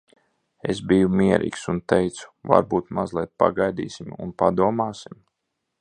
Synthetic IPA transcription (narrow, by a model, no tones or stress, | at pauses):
esbijumiɛɾʔḭːksunt̪ɛjt̪su̥va̰ɾbuːt̪mazlˠijt̪̚pa̰ɡajd̪ḭːsʲimṵnpad̪uɔmaːsim